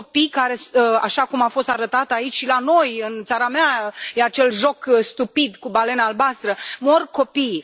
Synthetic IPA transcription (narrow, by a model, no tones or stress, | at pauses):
opijkaɾe̞a̰ʃakumafo̞st̪aɾət̪at̪ait͡ʃʲʃilano̞jɨnt̪saɾameajeat͡ʃe̞lʒo̞kst̪upid̪kubale̞naːlbast̪ɾəmo̞rko̞pij